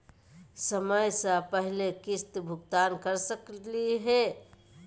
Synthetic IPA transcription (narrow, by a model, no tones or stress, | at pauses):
səməjsə̃pəɦlekɪst̪bʱʊɡt̪ankəɾsəkliɦɛ